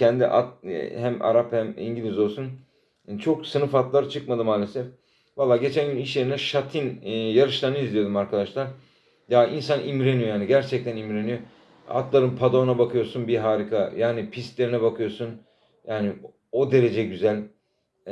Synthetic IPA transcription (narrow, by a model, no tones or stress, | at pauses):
cʰɛnd̪iʔa̰t̪hæma̰ɾaphæmḭɲɟilʲizo̞lˠsun | t͡ʃʰo̞ksɯnɯfat̪lˠaɾt͡ʃʰɯkmad̪ɯmaːlʲe̞sɛf | valˠːaːɟe̞t͡ʃʰænɟyniʃ̬lʲe̞ɾinɛʃat̪ʰinːjaɾɯʃlˠanɯizlʲijo̞d̪umaɾkʰad̪aʃlˠaɾ | jains̬animɾenijo̞jaːniɟæɾt͡ʃʰɛc̚t̪ʰænimɾenijo̞ | a̰t̪lˠaɾɯnpʰad̪onabakʰɯjo̞ɾsunbiɦaːɾikʰajaːnipʰist̪lʲe̞ɾinɛbakʰɯjo̞sun | jaːnɪ | od̪e̞ɾe̞d͡ʒɛɟyzælʲ